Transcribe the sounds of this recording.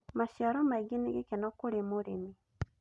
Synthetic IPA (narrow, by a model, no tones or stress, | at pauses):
maʃjaɾomaiɡiniɡekenokuɾemuɾḛmi